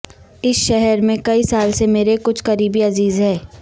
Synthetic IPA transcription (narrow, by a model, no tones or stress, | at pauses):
ɪsʃɛɦɛɾmẽkɐisaːlsemeːɾekʊt͡ʃʰkɐɾiːbiɐziːzɦɛː